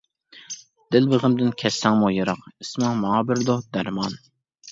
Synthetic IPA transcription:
d̪̥ɪlbəʁəmd̪ɪnkʲʰɛsːæŋmujɨɾɑqismɑŋmɑŋɑbɪɾd̪ʊd̪æɾmɑn

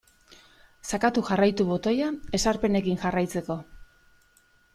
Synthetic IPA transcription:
sakat̪uxarajt̪uβo̞t̪o̞jae̞saɾpe̞ne̞kiŋxarajt͡se̞ko̞

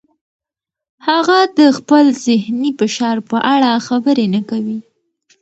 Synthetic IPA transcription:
haɣad̪əxpəlzɪhnifɪʃɑɾpəʔaɽaxabəɾenakawi

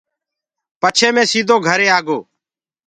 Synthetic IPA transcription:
pət͡ʃʰeːmẽːsiːd̪ʱoːɡʱəɾeːaːɡoː

